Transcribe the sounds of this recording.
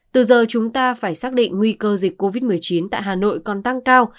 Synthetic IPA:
t̪ɨ˨˩zəː˨˩t͡ɕʊ˨˦ŋ͡mt̪aː˧faː˧˩jsaː˦˥k̚ɗḭ̈˧˨ŋ̟ŋwi˧kəː˧zi˨˩k̟̚kːo˧vi˦˥t̚mɨ˨˩əjt͡ɕi˨˦nt̪a̰ː˧˨jɦaː˨˩no̰˧˨jkɔ˨˩nt̪a˧ŋkaː˧w

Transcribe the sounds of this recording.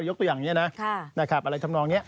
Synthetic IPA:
jo˥t̪u˧jaː˨˩ŋni˦˥ɐna˦˥kʰna˦˥˩kʰa˦˩p̚ʔa˧ɾa˧jt̪ʰa˧mnɔː˧ŋni˦˥ɐʔ

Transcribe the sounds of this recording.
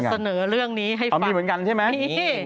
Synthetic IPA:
sa˧nɤː˩˦ɾɯ˥˩əŋniː˦˥ɦa˥˩jmiː˧mɯ˩˦nka˧nt͡ɕʰa˥˩jma˦˥

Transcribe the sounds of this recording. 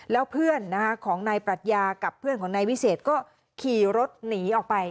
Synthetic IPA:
lɛː˦˥wpʰɯ˥˩ənːa˦˥kʰa˦˥kʰɔː˩˦ŋnaː˧jpɾa˨˩t̪̚jaː˧ka˨˩pʰːɯ˥˩ənkʰɔː˩˦naː˧jwi˦˥seː˨˩t̪̚kɔː˥˩ | kʰiː˨˩ɾo˦˥t̪̚niː˩˦ʔɔː˨˩k̚pa˧j

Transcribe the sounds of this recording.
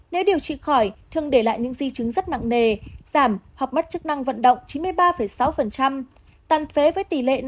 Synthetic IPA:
ne˨˦wɗi˨˩əwt͡ɕḭ˧˨xɔ˧˩jt̪ʰɨ˨˩əŋɗe˧˩la̰ː˧˨jɲɨ̰˧˥ŋzi˧t͡ɕɨ˨˦ŋzə˦˥t̚na̰˧˨ŋne˨˩z̥aː˧˩mha˨˩k͡p̚mə˦˥t̚t͡ɕɨ˦˥k̚na˧ŋvə̰˧˨nɗə̰˧˨wŋ͡mt͡ɕi˨˦nmɨ˧əjɓaː˧fə˧˩jsa˨˦wfə˨˩nt͡ɕa˧m | t̪aː˨˩nt̪ʰe˨˦vəː˨˦jt̪i˨˩lḛ˧˨

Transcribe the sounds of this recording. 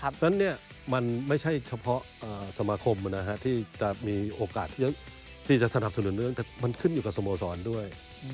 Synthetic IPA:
na˧˥nːi˥˩ɐ | ma˧nma˥˩jt͡ɕʰa˥˩jt͡ɕʰa˧pʰɔ˦˥ʔʔəː˨˩sa˧maː˧kʰo˧m˧˩na˦˧˥ɦa˧˥t̪ʰiː˥˩t͡ɕa˨˩ʔmiː˧ʔoː˧kaː˨˩t̪ʰiː˥˩t͡ɕa˨˩ | t̪ʰiː˥˩t͡ɕa˨˩ʔsa˧na˨˩p̚sa˧nu˨˩˦nː˧˥˧ŋt̪ɛː˨˩ma˧nkʰɯ˥˩njuː˨˩ka˨˩so˧mboː˧sɔː˩˦ndu˥˩əj

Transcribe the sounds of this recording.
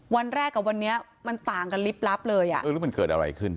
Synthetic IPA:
wa˧nɾɛː˥˩kːa˨˩wa˧nːi˦˥ɐ | ma˧nt̪aː˨˩ŋka˧nli˦˥p̚la˦˥p̚lɤː˧jʔa̰˨˩ʔɤː˧ɾɯ˦˥ma˧nkɤː˨˩t̪̚ʔa̰˧ɾa̰˧jkʰɯ˦˥˩n

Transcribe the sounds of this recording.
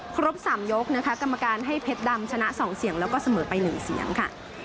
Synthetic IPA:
kʰɾo˦˥p̚saː˩˦mjo˦˥k̚na˦˥kʰa˦˥ka˧mːa˧kaː˧nɦa˥˩jpʰe˦˥t̪̚da˧mt͡ɕʰa˧na˦˥ʔsɔː˩˦ŋsi˨˩˦əŋlɛː˦˥wkɔː˥˩sa˧mɤː˩˦pa˧jnɯː˨˩˦sḭ˨˩˦əŋkʰa˥˩

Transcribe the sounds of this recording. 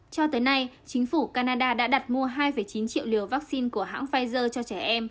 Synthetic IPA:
t͡ɕɔ˧t̪əː˨˦jna˧jt͡ɕï˨˦ŋ̟fu˧˩kaː˧naː˧ɗaː˧ɗa̰ː˧˥ɗa˨˩t̚mu˧əɦaː˧jfə˧˩jt͡ɕi˨˦nt͡ɕḭ˧˨əwli˨˩əwvaː˦˥k̚si˧nku˧˩əɦa̰ː˧˥ŋfaː˧jzəː˧t͡ɕɔ˧t͡ɕɛ˧˩ʔɛ˧m

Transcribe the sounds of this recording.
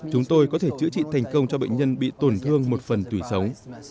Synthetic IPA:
t͡ɕʊ˨˦ŋ͡mt̪o˧jkɔ˨˦t̪ʰe˧˩t͡ɕɨ̰˧˥t͡ɕḭ˧˨t̪ʰa˨˩jŋ̟kə˧wŋ͡mt͡ɕɔ˧ɓə̰˧˨jŋ̟ɲə˧nɓḭ˧˨t̪o˧˩nt̪ʰɨ˧əŋmo˨˩t̚fə˨˩nt̪wi˧˩sə˨˦wŋ͡m

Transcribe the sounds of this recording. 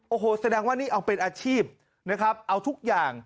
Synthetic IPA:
ʔoː˧ɦoː˧˩sa˧dɛː˧ŋwaː˥˩niː˥˩ʔa˧wpe˧nʔaː˧t͡ɕʰiː˥˩p̚ | na˦˥kʰɾa˦˥p̚ʔa˧wt̪ʰu˦˥k̚jaː˨˩ŋ

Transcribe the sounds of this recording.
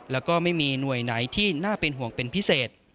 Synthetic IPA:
lɛː˦˥wkɔː˥˩ma˥˩jmiː˧nu˨˩əjna˩˦jt̪ʰiː˥˩naː˥˩pe˧nɦu˨˩əŋpe˧npʰi˦˥seː˨˩t̪̚

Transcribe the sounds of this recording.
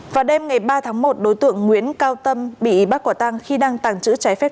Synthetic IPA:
vaː˨˩wɗe˧mŋa˨˩jɓaː˧t̪ʰaː˨˦ŋmo˨˩t̚ɗo˨˦jt̪ɨ̰˧˨əŋːŋwḭ˧˥ənkaː˧wt̪ə˧mɓḭ˧˨˦ɓa˦˥kwaː˧˩t̪aː˧ŋxi˧ɗaː˧ŋt̪aː˨˩ŋt͡ɕɨ̰˧˥t͡ɕa˨˦jfɛ˦˥

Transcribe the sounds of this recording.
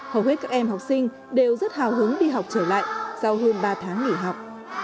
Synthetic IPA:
hə˧˩whe˦˥t̚kaː˥k̚ʔɛ˧mɦa˨˩wk͡p̚sï˧ŋ̟ | ɗe˨˩wzə˦˥t̚haː˨˩wɦɨ˨˦əŋɗi˧ɦa˨˩wk͡p̚t͡ɕəː˧˩la̰ː˧˨jsa˧wɦəː˧nɓaː˧t̪ʰaː˨˦ŋŋi˧˩ɦa˨˩wk͡p̚

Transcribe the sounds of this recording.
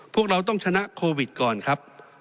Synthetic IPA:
pʰu˥˩ək̚ɾa˧wt̪̬ɔ˥˩ŋt͡ɕʰa˧na˦˥ʔkʰoː˧wi˨˩t̪̚kɔː˨˩nkʰɾa˦˥p̚

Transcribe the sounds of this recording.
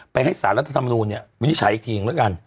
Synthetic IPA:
pa˧jɦa˥˩jsaː˩˦nɾt̪ʰa˧t̪ʰa˧mː˧nuː˧nːi˥˩ɐwi˦i˦˥t͡ɕʰa˨˩˦jkʰiː˧˩ŋduː˨˦˩ka˧n

